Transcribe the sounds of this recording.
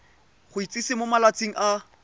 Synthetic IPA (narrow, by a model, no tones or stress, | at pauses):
χʊit͡sʼisɪmomalat͡sʼiŋ̩ʔa